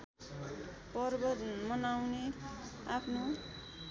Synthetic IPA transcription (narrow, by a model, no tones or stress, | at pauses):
pʌrbʌt̪mʌnawneapʰno